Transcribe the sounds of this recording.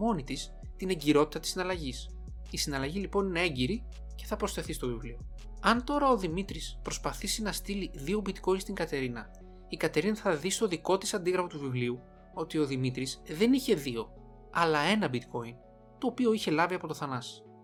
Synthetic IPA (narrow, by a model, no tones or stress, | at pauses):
mo̞nit̪is | t̪ine̞ɲɟiɾo̞t̪i̥t̪ɐt̪isinɐlɐʝis | isinɐlɐʝilipo̞nineeɲɟiɾi | ce̞θɐpɾosθe̞θist̪o̞vivlio̞ | ɐnt̪o̞ɾɐo̞ðimit̪ɾispɾo̞spɐθisinɐst̪iliðio̞bit̪ko̞inst̪iŋɡɐt̪e̞ɾinɐ | ikɐt̪e̞ɾinɐθɐðist̪o̞ðiko̞t̪i̥sɐnd̪iɣɾɐfot̪uvivliu | o̞t̪io̞ðimit̪ɾisðe̞niçe̞ðio̞ | ɐlɐe̞nɐbit̪kʰo̞in | t̪o̞ːpio̞içe̞lɐviɐpo̞t̪o̞θɐnɐs